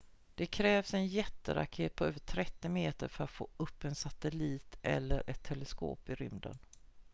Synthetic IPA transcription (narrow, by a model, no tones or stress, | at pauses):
d̪̥ɛkʰɾɛːvsɛnjɛt̪ːə̰ɾa̰kheːt̪̚pʰɔøːvəʈʰɾɛt̪ːɪmeːt̪əɾfœɾat̪foːɵpːɛnsat̪ɛliːt̪ɛ̰lːəɾʔɛt̪ʰːɛləsko̰ːpɪɾʏmd̪ə̰n